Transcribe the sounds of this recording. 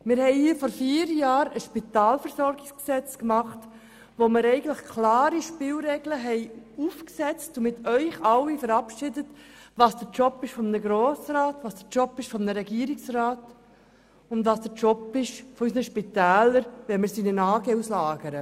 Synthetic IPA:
mɪɾhɛɪifɔɾfiːɾjɑːɾəʃpit̪ɑːlfəɾsɔɾɡɪksksɛt͡skmɑχt | ʋomɪɾɛɪɡən̩tləχkʰlɑːɾiʃpɪlɾɛɡləɦɛɪufksɛt͡stʊmɪtʰœʏχɑwifəɾɑpʃɪdətʋɑːsd̥əɾt͡ʃɔpːɪʃfɔmnəɡɾoːsɾaːtvɑːsd̥ət͡ʃɔpːɪʃfɔmnəɾɛɡiːɾiksraːt | ʊndvɑːsd̥ət͡ʃɔpɪʃfɔysnəʃpit̪æːləɾʋɛmɪɾsinənɑːɡəuslɑːɡ̥əɾə

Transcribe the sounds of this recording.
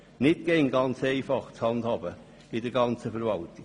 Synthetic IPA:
nɪt̚ɡ̥ɛŋɡɑnt͡seɪfɑχt͡shɑndhɑːbə | ɪdəɾɡɑnt͡səfəɾvɑltɪ

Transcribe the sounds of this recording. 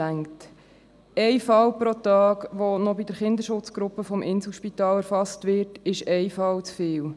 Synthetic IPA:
æŋt | ɛɪfɑwpɾotɑːɡʋɔnɔbidəɾχɪndəɾʃʊt͡sɡ̥ɾʊpːəfɔmʔɪnsl̩ʃpit̪ɑːlɛɾfɑstʋɪɾtɪʃɛɪfɑwt͡sfɪːw

